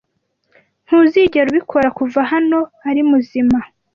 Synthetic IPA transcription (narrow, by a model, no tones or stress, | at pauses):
n̥huziːɟeɾuβikʰo̞ɾakuvaɦano̞aɾimuzima